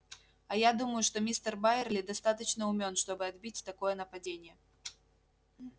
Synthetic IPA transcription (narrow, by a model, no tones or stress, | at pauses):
ɐjad̪uməjuʂt̪ɔmʲist̪ɛrbajɛrlʲid̪ast̪at̪ɐt͡ɕnɐumʲɔnʂt̪ɔbɨad̪bʲit͡sʲt̪akɔjɛn̪ɐpad͡zʲenʲjɛ